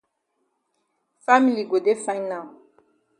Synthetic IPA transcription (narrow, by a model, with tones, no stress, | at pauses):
fa˦mi˨li˨ɡo˨de˦fã˦ɲ˦nã˨